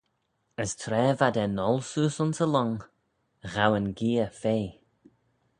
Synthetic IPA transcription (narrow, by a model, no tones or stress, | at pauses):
əstʰɾɛːvad̪ɛnɔlsuːsʊnsəlɔŋ | ɣawənɡiːəfeː